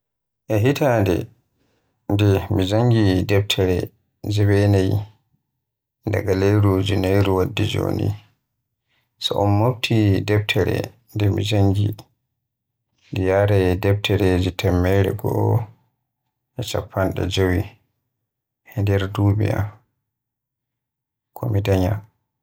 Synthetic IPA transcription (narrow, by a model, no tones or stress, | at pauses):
ʔɛɦitʰaːndɛ̰ | ndɛmid͡ʒaŋɡidɛp̚tʰɛɾɛ | d͡ʒɛwɛnaj | nda̰ɡalejɾud͡ʒunejɾuwadːid͡ʒo̰ːnḭ | sɔʔɔnmobtʰidɛb̚tʰɛɾɛ̰ | ndɛmḭd͡ʒaŋɡi | ndijaɾɛdɛb̚tʰɛɾeːd͡ʒitʰɛmːɛɾɛ̰ɡɔ̰ʔɔ | ʔɛt͡ʃa̰pʰːanɗɛ̰d͡ʒowi | hɛndɛɾdubija̰ | kʰɔmidaɲa